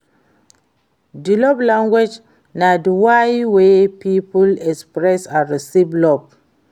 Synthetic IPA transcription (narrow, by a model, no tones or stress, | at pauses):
dilɔblãŋɡwed͡ʒ | nadwajwepipulɛkspɹɛsaɹisiblɔb̚